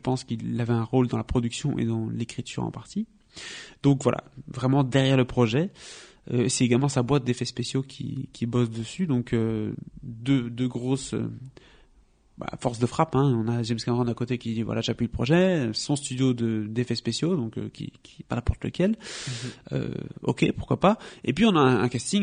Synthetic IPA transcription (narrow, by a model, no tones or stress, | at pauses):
ʒəpɑ̃skilavɛɛ̃ʁold̪ɑ̃lapχɔd̪yksjɔ̃ʔḛd̪ɑ̃lekχit̪ʰy̰ʁɑ̰̃paʁt̪i | d̪̥ɔ̃kvwa̰lʔa̰vʁɛmɑ̃d̪ɛʁjɛʁləpχɔʒɛ | øesɛeɡalmɑ̃sabwat̪̚d̪efɛspesjokʲʰḭkʲibɔsd̪əsyd̪ɔ̃kø | d̪ød̪øɡʁosø̰ | ba̰fɔʁsd̪əfχapɛ̃ɔ̃naʒɛmskɛ̃ʁɑ̃d̪ãkot̪ekʲid̪ivwa̰lʔa̰ʒapliləpχɔʒɛsɔ̃st̪yd̪jod̪əd̪efɛspesjod̪ɔ̃kø̰kʲḭkʲi̥panɛ̃pɔʁt̪ləkʲɛl | ø̰ɔ̰kʲepuʁ̥kwapaepɥiɔ̃naɛ̃ɛ̃kast̪iŋ